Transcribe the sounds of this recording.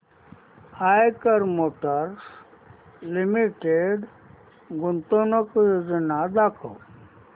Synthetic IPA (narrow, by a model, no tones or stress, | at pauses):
aːjkəɾmoːʈəɾs | limiʈeɖ | ɡʊnt̪onəkzinad̪aːkʰo̰w